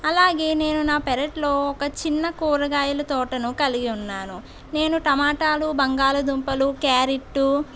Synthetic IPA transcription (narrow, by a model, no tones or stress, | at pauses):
ɐlaːɡe̞ːne̞ːnunaːpɛɾɐʈlo̞ːɔkɐt͡ʃinːɐkuːɾɐɡaːjɐlɐt̪ɔːʈɐnukɐliɡiunːaːnu | ne̞ːnuʈɐmaːʈaːlubɐŋɡaːlud̪umpɐlukaːɾiʈːu